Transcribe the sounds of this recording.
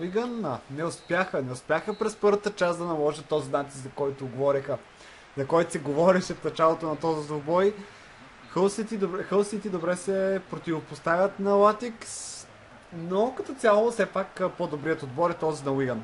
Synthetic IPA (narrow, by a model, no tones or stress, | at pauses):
iɡənənɛʊspjaxənɛʊspʲjaxəpɾɛspɤɾvət̪ət͡ʃasd̪ɐnɐlˠɔʒət̪ːɔzinat̪i̥szɐkɔjt̪ʊɡovɔɾixə | zɐkɔjt̪ʊ̥sɛɡovɔɾɛʃɛfnɐt͡ʃalˠot̪onɐt̪ɔzisobɔj | xəlˠsit̪id̪oɛxəlˠsit̪id̪obɾɛsɛpɾot̪ivopost̪avʲɐt̪nɐlat̪iks | nokɐt̪ɔt̪sʲjalˠosɛpakpod̪obɾiət̪od̪bɔɾɛt̪ɔzinɐwiɡən